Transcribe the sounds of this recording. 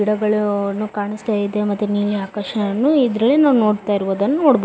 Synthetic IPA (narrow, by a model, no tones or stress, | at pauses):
iɽɐɡɐɭɐnːukaːɳist̪aːjid̪emɐt̪ːuniːɾeaːkɐɾʂɐɐnːuid̪ɾɐlenaːʋno̞ːɽt̪aːjiɾuʋoːd̪ɐnːunoːɽbo